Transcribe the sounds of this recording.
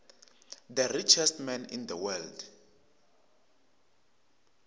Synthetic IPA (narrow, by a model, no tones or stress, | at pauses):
d̪ərit͡ʃʰɛstmɛnḭnd̪əwɛld